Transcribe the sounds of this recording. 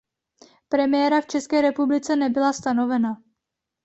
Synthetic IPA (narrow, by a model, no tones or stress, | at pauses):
pɾɛmɪjɛɾaft͡ʃɛskɛːɾɛpublɪt͡sɛnɛbɪlast̪ano̞vɛna